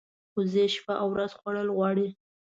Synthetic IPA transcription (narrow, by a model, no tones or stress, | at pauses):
xozeʃpaʔawɾazxwaɽəlɣwɑɽi